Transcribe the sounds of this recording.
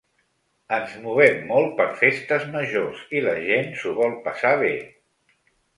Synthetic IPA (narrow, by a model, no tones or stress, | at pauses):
ənzmuβɛmːɔl̚ˠpəɾfest̪əzməʒoziləʒensuβɔlˠpəsaβ̞e